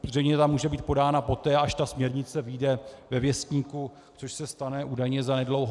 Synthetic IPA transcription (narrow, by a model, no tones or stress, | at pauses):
zrɛjɲɛt̪amuːʒɛbiːt̪̚po̞daːnapo̞t̪ɛːaʃt̪asmɲɛɾɲɪt͡sɛvijdɛvɛvjɛst̪ɲiːku | t͡soʃsɛst̪anɛʔuːdajɲɛzanɛdlowɦ